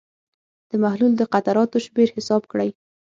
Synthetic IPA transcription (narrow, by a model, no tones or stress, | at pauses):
d̪̥əmahluld̪əqat̪aɾɑt̪oʃmeɾhɪsɑb̚kɽaj